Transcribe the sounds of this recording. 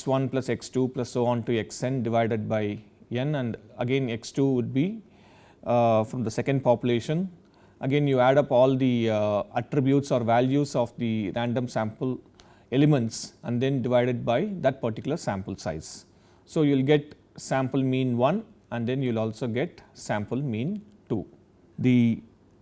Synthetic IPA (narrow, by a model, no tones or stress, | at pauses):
sʋʌ̃nplʌseksʈuːplɐsːoːɔ̃ːnʈueksẽnɖɪʋaɪɖeɖ̚baɪ | ẽnæ̃ɳɖəɡẽneksʈuːʋʊɖ̚bi | fɾɔ̃md̪əsekə̃ɳɖ̚pɔpjuleːʃə̃n | ʔəɡẽːnjuːæɖʌpɔːld̪iəʈɾibjuːʈsɔːɾʋæljusɔːfd̪iɾæ̃ɳɖə̃msæ̃mpəl | elemẽɳʈsæ̃ɳɖd̪ẽnɖɪʋaɪɖeɖ̚baɪd̪æʈ̚pəɾʈikjʊləɾsæ̃mpəlsaɪz̥ | soːjuːɪlɡeʈ | sæ̃mpəlmĩːnʋʌ̃n | æ̃ɳɖd̪ẽnjuːʋɪlɔːlsoːɡeʈsæ̃mpəlmĩːn | ʈuː | d̪i